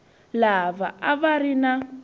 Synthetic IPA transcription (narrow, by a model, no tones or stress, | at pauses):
laβaaβaɾina